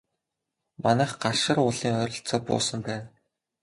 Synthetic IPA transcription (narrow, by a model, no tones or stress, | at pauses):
manæːχɢarʃə̆rʊɮiːŋœːɾʲɞ̆ɬt͡sɔːpʊ̰ːsə̆mpæːn